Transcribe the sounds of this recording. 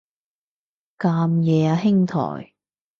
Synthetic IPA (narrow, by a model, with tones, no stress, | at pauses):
kaː˧mjɛː˨aː˧ɦɪ˥ŋt̪ʰɔ̰ː˨˩j